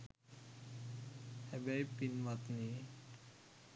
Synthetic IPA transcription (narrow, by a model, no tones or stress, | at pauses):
hɛbajpinmat̪ni